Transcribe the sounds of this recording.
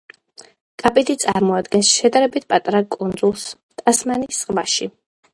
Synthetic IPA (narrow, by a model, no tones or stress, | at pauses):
kʼapʼid̪it̪sʼaɾmɔad̪ɡɛnsʃɛd̪aɾɛbit̪̚ʰpʼat̪ʼɾakʼund̪zulˠs | t̪ʰʼasmanisːqʼvaʃi